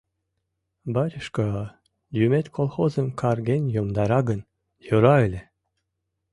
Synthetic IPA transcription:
bɑɾʲəʃkɑ | jymet̪kʰolˠxozəmkʰɑrɡenjomd̪ɑɾɑɡən | joɾɑelʲe

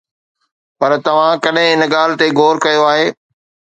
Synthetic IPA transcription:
pɐɾt̪ɐʋ̤ãkɐɗɦɪ̃ɪnɠaːlɪ̆t̪eɡʱoːɾkɐjoaːɦeː

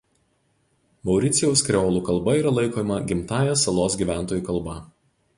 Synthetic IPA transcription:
mɒʊɾʲɪt̪sʲɪjɛʊskɾʲɛoːlˠuːkɐlˠˑbɐiːɾɐlˠɐɪkoːjmɐɡʲɪmt̪ɑːjɛsɐlˠoːsɡʲiːʋʲæˑnt̪oːjuːkɐlˠˑbɐ

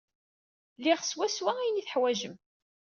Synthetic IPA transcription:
liʁswæswææjniθəħwæʒəm

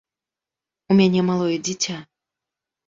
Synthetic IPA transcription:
umʲanʲɛmalˠɔjɛd͡zʲit͡sʲa

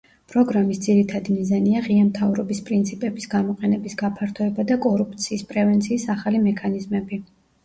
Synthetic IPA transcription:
pʼɾɔɡɾamisd̪z̥iɾit̪ʰad̪imizaniaʁiamt̪ʰavɾɔbispʼɾint̪sʰipʼɛbisɡamɔqʼɛnɛbisɡapʰaɾt̪ʰɔɛbad̪akʼɔɾup̚ʰt̪sʰiːspʼɾɛvɛnt̪sʰiːsaχalimɛkʰanizmɛbi

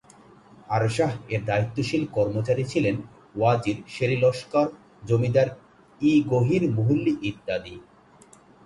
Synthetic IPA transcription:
haɾʃaɦeɾd̪ait̪ːoʃilkɔɾmot͡ɕaɾit͡ɕʰilen | wad͡ʑiɾʃeɾilɔʃkaɾ | d͡ʑomid̪aɾ | iɡoɦiɾmoɦulːiʔid̪ːad̪i

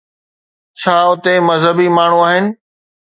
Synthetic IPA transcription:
t͡ɕʰaːʊt̪emɐzɦəbimaːɳ̤ũaːɦɪnɪ̆

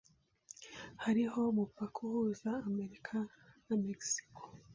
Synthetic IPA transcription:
haɾiho̞mupakʰohuːzaːme̞ɾikʰa | nameksi̥kʰo̥

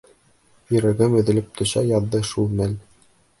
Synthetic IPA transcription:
ɵ̆ɾæɡɘmɵ̆ðɘ̆lɘp̚t̪ʰɵ̆ɕæjɑðːɤʃulˠmæl

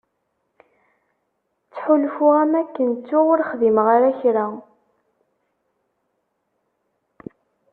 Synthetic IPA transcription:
t͡sːħulfʊæmækːənt͡sːuwʊɾχðimʁaɾæçɾa

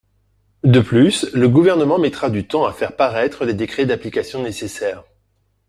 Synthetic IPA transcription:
d̪əplysləɡuvɛʁnəmɑ̃mɛt̪χad̪yt̪ɑ̃afɛʁpaʁɛt̪χəled̪ekχɛd̪aplikasjɔ̃nesesɛːʁ

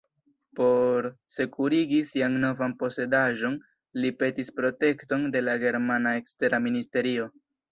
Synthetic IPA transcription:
po̞ɾ | se̞kʰuɾiɡisianno̞vanpo̞se̞daʒo̞n | lipe̞tispɾo̞te̞kto̞nde̞laɡe̞ɾmanae̞kste̞ɾaministe̞ɾio̞

